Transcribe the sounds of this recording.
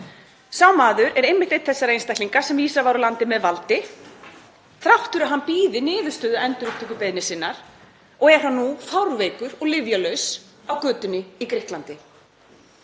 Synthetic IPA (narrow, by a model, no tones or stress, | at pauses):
sawmaːðʏɾɛɾejmːɪht̪ejt̪θɛsːaɾejnst̪ahkliŋkḁsɛmiːsavawɾʏlant̪ɪmɛðvalt̪ɪ | θɾawht̪ʏɾaɦanpiːðɪnɪːðʏ̥st̪ʏːðʏɛnt̪ʏɾʏp̚t̪ʰɪkʏpejðnɪsɪnːaɾ̥ | ɔɣɛɾ̥ɦanːufawɾvejkʏɾɔɣlɪvjalœɥs | awkʏːt̪ʏnːɪikɾɪhklant̪ɪ